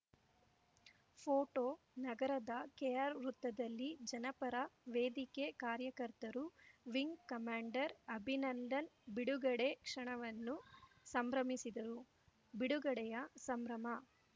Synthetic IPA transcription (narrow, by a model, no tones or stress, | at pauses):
pʰoːʈoː | nɐɡɐɾɐd̪ɐkejaːɾɾut̪ːɐd̪ɐlːid͡ʒɐnɐpɐɾɐʋeːd̪ikekaːɾjɐkɐɾt̪ɐɾuʋiŋɡkɐmaːɳɖɐɾɐbʱinɐnd̪ɐnbiɽuɡɐɽekʂɐɳɐʋɐnːu | sɐmbɾɐmisid̪ɐɾu | biɽuɡɐɽɛjɐsɐmbɾɐmɐ